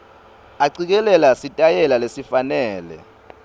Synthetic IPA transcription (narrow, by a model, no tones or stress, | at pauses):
aǀik̬ɛlɛlasitʼajɛlalesifanɛːlɛ̰